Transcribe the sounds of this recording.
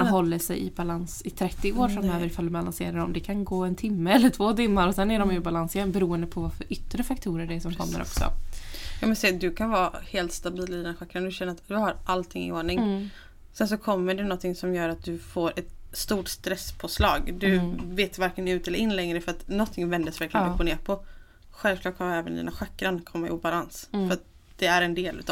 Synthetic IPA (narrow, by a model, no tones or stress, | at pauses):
ɦɔlːəʂɛ̰jɪ̰balansɪt̪ʰɾɛt̪ːɪoːɾfɾamːøːvəɾɪfald̪bala̰nsḛːɾaɖɔmd̪ɛkʰanɡoːɛnt̪ʰɪmːəɛlːəʈʰvoːt̪ɪmːaɾɔsɛnːæɖɔmjɵbalanseːɾbɛɾuːənd̪əpʰɔvaɾfœɾʔʏt̪ːɾəfakt̪ʰuːɾəɖɛsɔmkʰɔ̰mːə̰ɾʔɔ̰ksɔ̰jɑːvɪlsɛd̪ɵkʰanvɑːheːlt̪st̪abiːlɪd̪ɛnɧakːɾənd̪ɵɕɛnːəɾat̪d̪ɵhaɾʔalt̪ʰɪŋːɪ̰oːɳɪŋ | sɛns̬ɔkʰɔmːəɖɛnɔnt̪ʰːɪŋsɔmjœːɾat̪̚d̪ɵfoːɾɛt̪st̪uːʈst̪ɾɛspʰɔslɑːɡd̪ɵveːt̪vaɾkənʉ̟ːt̪ɛləɾʔɪnlɛŋɾəfœɾat̪nɔt̪ʰːɪŋvɛnd̪əsvæɾklɪnɔpʊneːɾpʰɔ | ɧɛlv̥klɑːʈ̚kʰand̪ɛːvənd̪ḭːnaɧakːɾankʰɔmːaɪ̰balansfœɾat̪̚ | d̪̥ɛæɾɛnd̪eːlʔʉ̟ːt̪ː